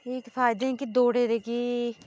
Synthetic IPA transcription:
ɪkpʰaːɪd̪ẽːkid̪oːɽeːɾeːki

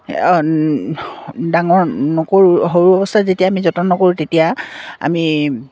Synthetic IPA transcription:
daŋɔɹnɔkoɹuɦoɹuɔbɔstʰatzetijaːmizɔtɔnɔkoɹutetijaa̰mi

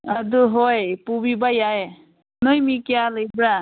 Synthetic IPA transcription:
ad̪uɦojpubibajaj | nɯjmikjalɯjbɾa

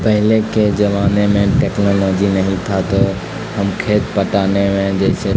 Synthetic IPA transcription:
pəɦɪleked͡ʒəʋaːnemẽʈeːknɔlɔːd͡ʒinɐɦĩt̪ʰat̪ɔ | ɦəmkʰeːt̪pəʈaːnemẽd͡ʒɛːse

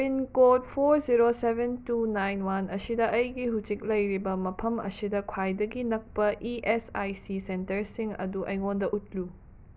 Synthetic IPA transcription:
inkot̚pʰoɾziɾosebentunajnwanɐsidɐʔɐjɡiɦut͡ʃik̚lɐjɾibɐmɐpʰɐmɐ̰sidɐkʰwajdɐɡinɐk̚pɐʔiʔesajsisentɐɾsiŋɐ̰duʔɐjŋondɐʔut̚lu

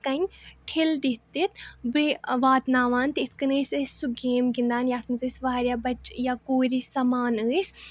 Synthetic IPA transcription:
kaɲʈʰeld̪it̪ːit̪bɨʋaːt̪naːʋaːnt̪it̪ʰkɐnəːsʲəːsʲsuɡeːmɡind̪aːnjaːt̪ʰmɨt̪əsʲʋaːɾʲjaːbɐt͡ʃjaːkoːɾisɐmaːnəːsʲ

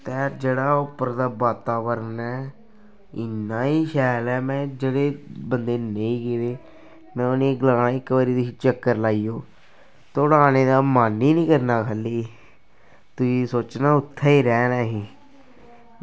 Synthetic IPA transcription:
t̪ɛːd͡ʒeːɽaːʊpːəɾd̪aːbaːt̪aːʋəɾənɛː | ɪnːaːiːʃɛːlɛːmɛ̃ːd͡ʒeːɽeːbənd̪eːnə̃ĩːkeːd̪eː | mɛ̃ːʊnẽːɡəlãːnãːɪkːbaɾiːd̪it͡ʃəkːəɾlaːiːoː | t̪ːʊɽaːñeːd̪aːmaːnːiːnĩːkəɾnaːkʰəliː | t̪ʊsiːsoːt͡ʃnaːʊt̪ʰːaːiːɾɛːnɛːɦiː

